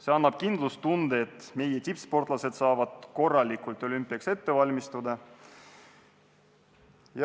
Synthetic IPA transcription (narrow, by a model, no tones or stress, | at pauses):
se̞ɑnːɑb̥kind̪lust̪und̪eet̪ːˑme̞jet̪ʲipspo̞rt̪ˑlɑse̞t̪sɑːvɑd̪̥ko̞rːɑlʲikult̪ˑo̞lʲympːˑiɑkse̞t̪ːe̞vɑlʲmist̪ud̪ɑ | jɑ